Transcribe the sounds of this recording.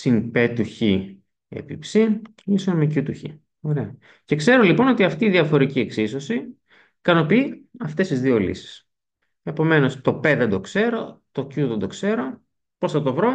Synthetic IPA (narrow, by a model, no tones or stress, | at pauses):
sinpet̪uçi | ḛpipsin | isonmecut̪uçḭ | o̞ɾe̞ɐ | ce̞kse̞ɾo̞lipo̞no̞t̪iɐft̪iːðiɐfo̞ɾicieksiso̞si | kɐno̞piiɐft̪e̞st̪izðio̞lḭsi̥s | e̞po̞me̞no̞st̪o̞peðend̪o̞kse̞ɾo̞t̪o̞cuðend̪o̞kse̞ɾo̞ | po̞sɐt̪o̞vɾo̞